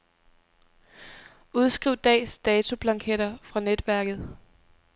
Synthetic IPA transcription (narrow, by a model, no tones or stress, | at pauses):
ʔuð̞ˠsɡ̥ʁiʊd̥ɛ̰ːsd̥ɛːt͡sʰo̝b̥lɑ̈ŋkʰeɾɐfʁɑ̈ned̥ʋæɐɡ̥ð̞̩ˠ